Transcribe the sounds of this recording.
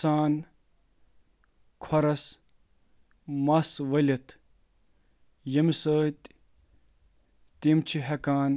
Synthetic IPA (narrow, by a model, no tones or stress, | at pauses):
saːn | kʰɔɾɐs | mɐsʋɐlʲɐt̪ʰ | jɐmisəːt̪ʲ | t̪imt͡ʃʰiɦekaːn